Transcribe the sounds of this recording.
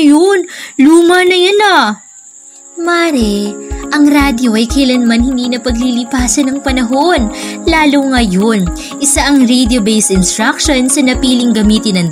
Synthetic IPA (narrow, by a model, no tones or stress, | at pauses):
jonluːmɐnɐjanɐ | maːɾɛʔɐŋɾaːd̪jo̞ʔɐjkɐɪlanɐmɐnhɪnd̪iːnɐpɐɡlilɪpaːsɐnɐŋpɐnɐɦo̞nlaːloŋɐjon | ʔɪsaʔɐŋɹed̪jobejsɪnst̪ɹak̚ʃonsɐnɐpiːlɪŋɡɐmiːt̪ɪnɐŋ